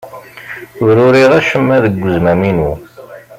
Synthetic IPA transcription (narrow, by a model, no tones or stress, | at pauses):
ʊɾʊɾiʁæʃəmːæðəɡʷːəzmæminu